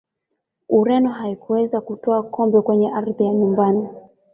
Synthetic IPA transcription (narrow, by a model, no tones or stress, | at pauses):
uɾɛnɔɦaikuwɛzakutɔakɔmbɛkwɛɲɛʔaɾðijaɲumbani